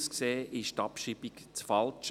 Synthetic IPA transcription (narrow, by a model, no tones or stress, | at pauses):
skseːʔɪʃtɑpʃibikt͡sfɑlt͡ʃ